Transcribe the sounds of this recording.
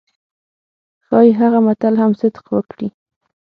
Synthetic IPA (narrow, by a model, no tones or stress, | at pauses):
xɑjeɦaɣamat̪alɦamsɪd̪qwəkɽi